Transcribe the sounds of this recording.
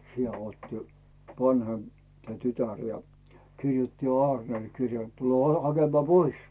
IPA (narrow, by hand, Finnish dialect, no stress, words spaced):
siæ oːtːi ʋɑnhemp tæ tytær jɑ kirjutːi jo ɑːrnel kirjeː t tule hɑkemɑː pois